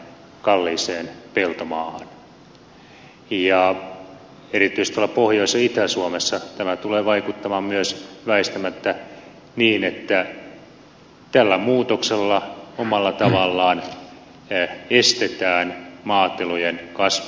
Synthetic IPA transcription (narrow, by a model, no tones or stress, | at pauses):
kɑlːiːseːnpelt̪omɑːhɑn | jɑ | erit̪ːˑyist̪ɑlːɑpohjoisːɑit̪æsuomesːɑt̪æmæt̪uleːʋɑikut̪ːɑmɑːmmyøsʋæist̪æmæt̪ːæ | niːnet̪ːæ | t̪ælːæmuːt̪okselːɑomɑlːɑt̪ɑʋɑlːɑːn | est̪et̪æːnmɑːt̪ːelojenkɑsʋ